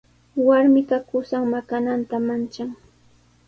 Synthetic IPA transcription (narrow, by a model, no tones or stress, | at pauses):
waɾmɪkakʊsaŋmakanant̪amant͡ʃaŋ